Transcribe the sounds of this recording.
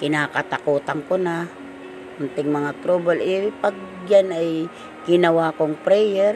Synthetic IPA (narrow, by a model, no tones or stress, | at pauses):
kɪnaːkat̪akuːt̪aŋkona | ʊnt̪ɪŋmɐŋat̪ɾobalɪpaɡ̚janaj | ɡ̥ɪnawakoŋpɾɛjɛɾ